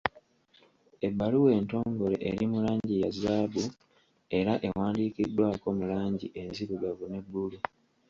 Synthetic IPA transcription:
e̞bːaluwe̞ːnto̞ːŋɡo̞le̞̰ʔeɾimulaːɲɟijazaːbu | e̞ɾaʔe̞waːndiːkidːwaːko̞ːmulaːɲɟiʔe̞nziβuɡavune̞bːulu

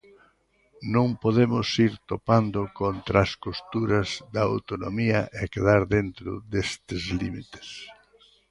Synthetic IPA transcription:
nõŋpoðemʊsiɾt̪opand̪ʊkont̪ɾɐːskost̪uɾɐzd̪ɐa̰wt̪onomiɐʔekeðaɾðent̪ɾʊ̰d̪est̪ɪzlimit̪e̥s

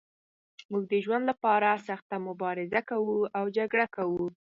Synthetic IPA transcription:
muɡ̚d̪əʒwand̪lapɑɾasaxt̪amʊbɑɾɪzakawuawd͡ʒaɡɽakawu

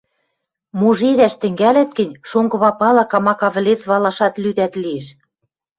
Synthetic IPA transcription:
muʒeðæʃt̪ɘ̆ŋɡælæt̪̚ɡɘ̆nʲʃoŋɡɤ̆βɑpɑlɑkɑmɑkɑβɘ̆let͡sβɑlɑʃɑt̪lyd̪æt̪lieʃ

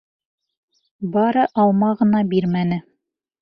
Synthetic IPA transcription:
bɑɾɤʔɑlˠmɑʁɤ̆nɑbiɾmænɘ

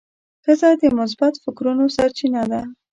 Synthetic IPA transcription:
kəzad̪əmʊs̬bat̪fɪkɾunosaɾt͡ʃinad̪a

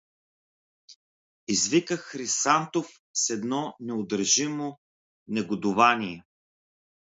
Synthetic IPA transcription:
izvikəxɾisant̪of | sɛd̪nɔnɛʊd̪əɾʒimo | nɛɡod̪ʊvaniɛ

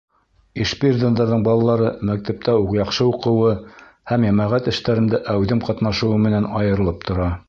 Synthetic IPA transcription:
iʃpirʲd̪ond̪ɑɾðɤɴbɑlˠɑlˠɑɾɤmæk̚t̪æp̚t̪æuqjɑqʃɤuqɤ̆wɤ | hæmjæmæʁæt̪ɘ̆ʃt̪æɾɘ̆nd̪æʔæwðɘmqɑt̪nɑʃɤ̆wɤmɘ̆nænɑjɤ̆ɾɤ̆lˠɤp̚t̪ŏɾɑ

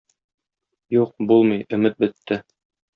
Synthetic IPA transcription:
juq̚bulˠmɤjɵ̆mɘt̪̚bɘ̆t̪ʰːɘ

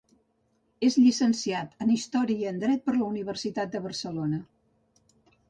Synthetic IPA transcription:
ezʎisənsiat̪ənist̪ɔɾiənd̪ɾɛt̪̚pəɾləuniβ̞əɾsit̪at̪̚d̪əβəɾsəlonə

